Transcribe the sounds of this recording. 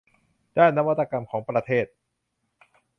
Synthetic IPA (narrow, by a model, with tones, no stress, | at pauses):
d̥aː˥˩nːa˦˥wa˦˥t̪ːa˧ka˧mkʰɔː˩˦ŋpɾa˧t̪ʰeː˥˩t̪̚